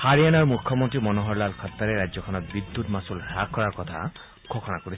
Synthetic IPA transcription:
haɹijanɔɹmukʰːɔmɔntɹimɔnɔɦɔɹlalkʰatːaɹɛɹajzɔkʰɔnɔt̚bid̪ːutmasulakːɔɹaɹkɔtʰa̰ | ɡʰʱɔkʰɔnakoɹis

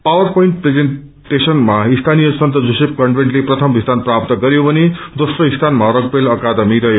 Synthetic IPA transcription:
pawʌrpoiɳʈ̚pɾed͡zen | ʈesʌnmaist̪ʰanijʌsʌnt̪ʌd͡zusep̚kʌɳɖʋeɳʈleprʌt̪ʰʌmbʱist̪ʰanprap̚t̪ʌɡʌɾjobʌned̪osrʌist̪ʰanmaɾʌɡ̚pelʌkad̪ʌmiɾʌjo

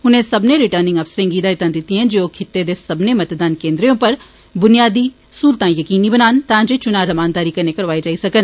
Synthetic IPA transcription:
ɦʊnɦẽsɐbneɾɪʈəɾnɪ̃ŋɡɐfsɾẽŋɡiːd̪aːɪt̪ãnd̪ɪt̪ːiɦɛ̃nd͡ʒeoːkʰɪt̪ːed̪esɐbnemɐt̪d̪aːnkẽːnd̪ɾijõpəɾ | bʊnijaːd̪i | suːlt̪ãjɐkiːnibənaːnt̪ãːd͡ʒet͡ʃʊnaːɾɐmaːnd̪aːɾikɐnekɐɾʋaːed͡ʒaːisɐkən

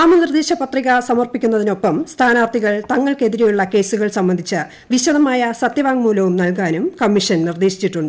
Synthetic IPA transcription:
aːmɐnird̪eːɕɐpɐt̪riɣɐsɐmɐrpikʲːunːɐðino̞pːɐmst̪ʰaːnaɐrt̪ʰiɣɐɭt̪ɐŋːɐɭke̞ðiɾejuɭːɐke̞ːsuɣɐɭsɐmbɐnd̪ʱit͡ɕːɨ | ʋiɕɐðɐmaːjɐsɐt̪jɐʋaːŋmuːlɐʋumnɐlk̬aːnumkɐmːiʂɐnnird̪eːɕi̥t͡ɕːiʈːuɳɖɨ

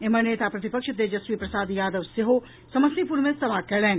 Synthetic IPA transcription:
emɐneːt̪apɾɐt̪ɪpəkʃət̪ed͡ʒɐsʋipɾɐsaːd̪jaːd̪əʋseɦo | sɐmɐsipuɾmẽsɐʋakɛɭɛːn

